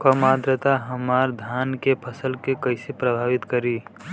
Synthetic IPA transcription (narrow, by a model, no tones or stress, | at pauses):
kəmaːd̪ɾət̪aɦəmaːɾd̪ʱjaːnkepʰəsəlkekəɪsepɾəbʱaːʋɪt̪kəɾi